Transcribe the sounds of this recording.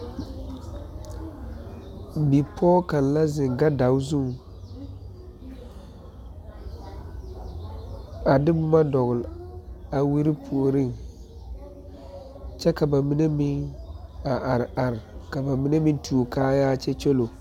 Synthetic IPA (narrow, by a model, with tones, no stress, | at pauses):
bi˨pʰɔː˦ka˨n˨la˦zɪ˨ŋɡa˦da˨wzu˦ŋ | a˨dɪ˦bʊ˦ma˦dɔ˨ɣʊ˨la˨wi˦ɾi˦pʰu˨o˨ɾi˦ŋ | t͡ʃɛ˦ka˨ba˨mi˦ne˦mɪ˦ŋ | a˨ʔa˨ɾa˨ɾka˨ba˨mi˦ne˦mi˦ntʰuː˨kaː˦jaː˦t͡ʃɛ˦t͡ʃo˦lo˨